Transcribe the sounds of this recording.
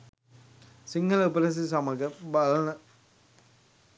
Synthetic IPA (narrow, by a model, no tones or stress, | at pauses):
siŋɡɐlɐupɐɾɐs̬isɐmɐɡɐbɐlɐnɐ